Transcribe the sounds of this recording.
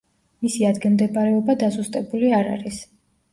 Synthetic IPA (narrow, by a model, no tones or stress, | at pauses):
misiad̪ɡɛmd̪ɛbaɾɛɔbad̪azust̪ʼɛbuliaɾa̰ɾis